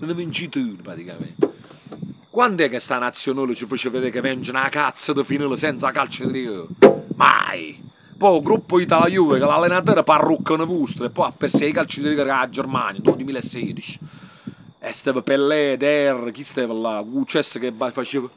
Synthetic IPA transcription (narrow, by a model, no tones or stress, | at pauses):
lənəvint͡ʃit̪ɨnəpɾat̪ika̰mɛ̰nt̪ | kwand̪ɛkːest̪anat̪sːjonələt͡ʃəfət͡ʃəved̪eːkevɛnt͡ʃənakat̪sːəd̪əfinələsɛnt̪sakalt͡ʃəd̪iɾikəma̰i | pɔɡɾupːəit̪alajuvəkəlalːenat̪̬əːɾəparːukːənəvust̪ɾɛpːɔjapːeɾsɛikalt͡ʃəd̪iɾiɡəɾad͡ʒːɛɾma̰njəd̪ɔd̪imilɛsːɛːd̪it͡ʃi̥ | ɛst̪ɛːvəpɛlːɛd̪ɛrːəkist̪ɛːvəlaɡut͡ʃɛsəkebafat͡ʃevə